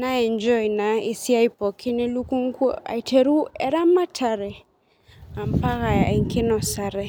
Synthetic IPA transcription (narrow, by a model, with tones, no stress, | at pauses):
na˦ɛ˨nd͡ʒɔ˦jna˨ɪ˨si˦a˦jpɔ˨kʰɪ˦ne˦lu˦ku˦ŋkɔ̰˦a̰˨itʰe˨ɾu˦ɛ˦ɾa˦ma˦tʰa˨ɾɛ˨ | a˨mpa˦ɣa˨ɪ˨ŋkɪ˦nɔ˨sa˨ɾɛ˨